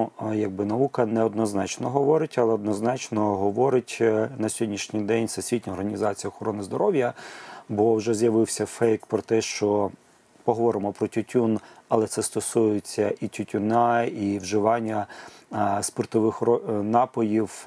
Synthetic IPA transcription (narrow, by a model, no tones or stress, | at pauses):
jɐɡ̚bɪnɐʋukɐnɛɔd̪nɔznɑt͡ʃnɔɦɔʋɔɾɪtʲɐlˠɛɔd̪nɔznɑt͡ʃnɔɦɔʋɔɾɪtʲnɐsʲɔdʲnʲiʃnʲijd̪ɛnʲsɐsʲʋʲitʲnʲɐɔrɦɐnʲizɑt͡sʲijɐɔxɔɾɔnɪzd̪ɔɾɔwʲjɐbɔwʒɛzjɐʋɪwsʲɐfɛjkpɾɔt̪ɛʃt͡ʃɔ | pɔɦɔʋɔɾɪmɔpɾɔtʲʊtʲunɐlˠɛt̪sɛst̪ɔsujɪt͡sʲːɐʔitʲʊtʲʊnɑiwʒɪʋɑnʲːɐ | spɔrt̪ɔʋɪxɔnɑpɔjiw